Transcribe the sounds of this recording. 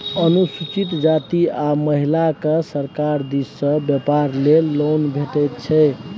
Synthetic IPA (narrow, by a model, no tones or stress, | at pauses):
ənusut͡ʃit̪d͡ʒat̪iaməɦilakesəɾkaɾd̪isːə̃bjɛpaɾlelonbʱeʈɛjt̪t͡ʃʰɛ